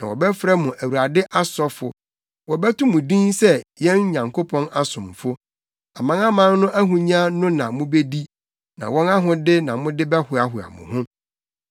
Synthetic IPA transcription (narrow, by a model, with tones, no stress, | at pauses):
nã̰˨wɔ̰˨bɛ˦fɾa˦mʊ̃˨ʔæ˨wu˨ɾa˨dɪ˦ʔa˦sɔ˦fʊ̰˨ | wɔ˨bɛ˦tʊ̃˦mʊ̃˨dĩ˦nsɛ˦jɛ̃˦n˦ɲã˨ŋkʰo˦pʰɔ̃˦na˦sʊ̃˨m˨fʊ˦ | a˨mã˦ŋa˦mã˦n˦nʊ̃˦ʔæ˦ɦũ˨ɲã˦nʊ̃˦nã˨mʊ̃˦be˦di˦ | nã̰˨wɔ̃˦na˦ɦʊ̃˨dɪ˦nã˨mʊ̃˦dɪ˦bɛ˦hʊ˦a˨ɦʊ˨a̰˨mʊ̰̃˨hʊ̃˦